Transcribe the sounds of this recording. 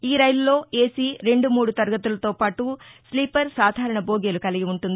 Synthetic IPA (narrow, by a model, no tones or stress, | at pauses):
iːɾɐjlulo̞ːeːsiːɾe̞ɳɖumuːɽut̪ɐɾɡɐt̪ulɐt̪o̞ːpaːʈusliːpɐɾsaːd̪ʱaːɾɐɳɐboːɡeːlukɐliɡiuɳʈund̪i